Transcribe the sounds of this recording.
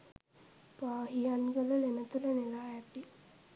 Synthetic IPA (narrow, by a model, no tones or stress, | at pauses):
paːɦianɡələlemət̪ulənelaːjæt̪i